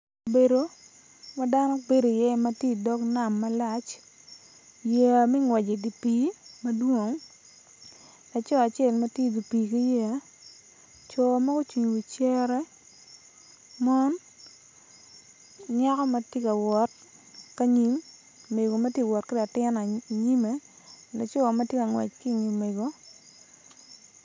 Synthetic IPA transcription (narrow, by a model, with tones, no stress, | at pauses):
be˨do˨˦ | ma˦da˦nɔ˦be˦do˨i˨jɛ˦˨ma˦tje˦˨dɔ˦kna˨mːa˦la˦t͡ʃ | je˨mɛ˦ŋwɛ˨d͡ʒe˨di˨piː˨˦mɐ˦dwo˦˨ŋ | la˨t͡ʃɔ˦a˨t͡ʃe˦˨lma˦tje˦˨di˨pi˨ki˦je˦a˨˦ | t͡ʃɔ˨ma˦ɡo˦t͡ʃwi˨ɲo˨wi˨t͡ʃɛ˦ɾɛ˦ | mɔ˦n | ɲa˦kɔ˦ma˦tje˦ka˨wɔ˨˦t | ka˦ɲi˦mː | e˨ɡo˨ma˦tje˦˨wɔ˨tkɪ˦la˨tɪ˦na˨ɲi˦me˦ | la˨t͡ʃɔ˦˨ma˦tje˦ka˨ŋwɛ̰˨t͡ʃkɪ˦˨ɲi˨mːe˨ɡo˦